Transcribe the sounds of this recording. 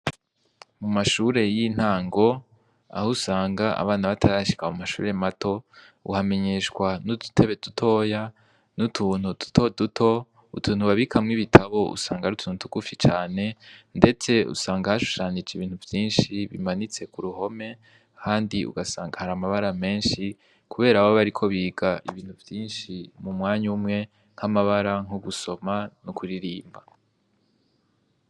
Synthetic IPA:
mumaʃuːɾe̞jin̥haːŋɡo̞ | a̰husaːŋɡaa̰βaːnaβatʰaɾaʃi̥kaoumaʃṵːɾematʰo̞ | ṵhame̞ɲe̞ʃkwanudu̥tʰeβe̞dutʰo̞ːja | nutʰuːn̥udu̥tʰo̞dutʰo̞ | ṵtʰuːn̥huβaβikʰamŋiβitʰaβo̞ʔṵsaːŋɡaɾutʰuːnutu̥kufit͡ʃaːne̞nde̞t͡se̞ṵsaːŋɡahaʃu̥ʃaːnid͡ʒiβiːn̥huvjiːnʃiβimanit͡se̞kuɾuɦo̞me̞ | kʰaːndiṵɡasaːŋɡahaɾamaβaɾame̞ːnʃi | kʰuβe̞ːɾaβoβaɾikʰo̞βiːɡaʔiβiːnhuvjiːnʃimumŋaːɲumŋe̞ | ŋ̥hamaβaɾaŋ̥uɡuso̞manukʰuɾiɾiːmba

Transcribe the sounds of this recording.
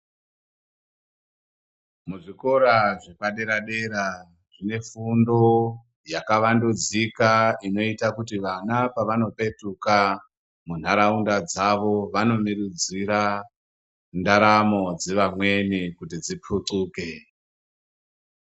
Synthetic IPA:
muʐiko̞ɾaʐepaɗe̞ɾaɗe̞ɾa | ʐ̥ine̞fundo̞ | jakaʋandud͡zikaino̞itakutiʋanapaʋano̞pe̞tuka | mun̤aɾaundad͡zaʋo̞ʋano̞miɾud͡ziɾa | ndaɾamo̞d͡zeʋamwe̞nikut̬id͡zip͡fʰuǀuːke̞

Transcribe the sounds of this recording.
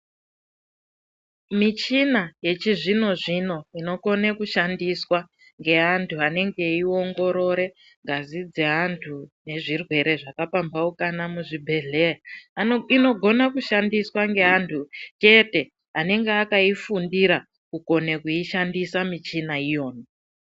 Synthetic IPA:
mit͡ʃinaje̞t͡ʃiʐino̞ʐino̞ino̞ko̞nekuʃandiswa | ŋɡe̞antʰuane̞ŋɡe̞io̞ŋɡo̞ɾo̞ɾe̞ | ŋɡʱazid͡ze̞antʰune̞ʐirwe̞ɾe̞ʐakapambaukanamuʐibʱe̞ɮe̞a | ino̞ɡʱo̞nakuʃandiswaŋɡe̞antʰut͡ʃe̞te̞ | ane̞ŋɡeakaifundiɾa | kuko̞nekuiʃandisamit͡ʃinaijo̞ːno

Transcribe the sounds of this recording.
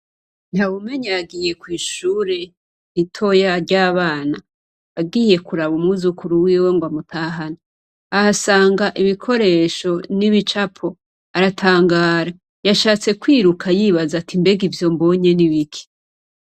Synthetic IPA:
n̥haβume̞ɲaaɡije̞kwiːʃuːɾe̞ | itʰo̞jaɾɟaːβaːna | βaɡiːje̞kuɾaβumŋuzukuɾuwiːweŋɡwamutʰaːɦanaː | hasaːŋɡaʔiβikʰo̞ɾe̞ːʃo̞niβit͡ʃapʰo̞ | aɾatʰaːŋɡaːɾa | jaʃaːt͡se̞kwiːɾukʰajiːβazatʰimbeɡivjo̞mbo̞ɲe̞niβikʰi̥

